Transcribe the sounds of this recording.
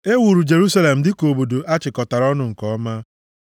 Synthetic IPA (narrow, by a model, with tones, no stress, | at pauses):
e˦wu˨ɾu˨d͡ʒe˨ɾu˦sa˦le˨m̩˨dɪ˦ko˨bo˨do˨ʔa˦t͡ʃɪ˨kɔ˨ta˨ɾɔ˦nʊ˦ŋ̩˨kɔ˦ma˦